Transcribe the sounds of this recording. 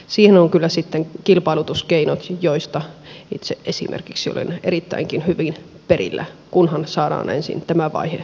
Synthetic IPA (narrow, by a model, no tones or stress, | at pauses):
siːhenoŋkylːæsit̪ːeŋkilpɑilut̪uskeinot̪joist̪ɑit̪seʔʔesḭmʔḛrkiksio̰lḛneɾit̪ːæ̰iŋkinhyʋin | perḭlːæ̰kunhɑnsɑːdɑ̰ːnḛnsḭnt̪æmæʋɑ̰ihe